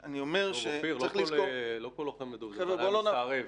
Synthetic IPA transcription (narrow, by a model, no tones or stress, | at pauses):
aniomeʁʃeiʁlliolokoloχemed̪ueeolonaʁev